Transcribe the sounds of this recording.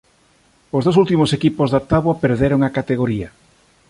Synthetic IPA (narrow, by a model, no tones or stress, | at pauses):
ozðos̬ult̪imosekipozðat̪aβwapeɾðeɾoŋakat̪eɣ̞oɾiɐ